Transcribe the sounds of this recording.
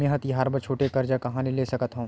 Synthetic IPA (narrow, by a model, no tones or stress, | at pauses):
mẽːɦət̪iɦaːɾbəɾt͡ʃʰoːʈekɐɾd͡ʒakɐɦãnileːsɐkət̪ɦõ